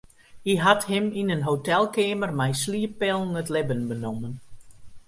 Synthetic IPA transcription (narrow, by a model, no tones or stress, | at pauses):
iɦathɪminənɦowtɛlˠkeːmərmɛjsliəpɛlˠnətlɪbənbənomən